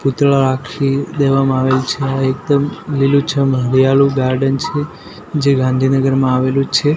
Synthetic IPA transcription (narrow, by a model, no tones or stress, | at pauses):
put̪ɭaɾakʃid̪eʋamãaʋelt͡ʃʰeaek̚d̪əmlilut͡ʃʰəmɦəɾijalũɡaɾɖənt͡ʃʰe | d͡ʒeɡãnd̪ʱinəɡəɾmãaʋelũt͡ʃʰe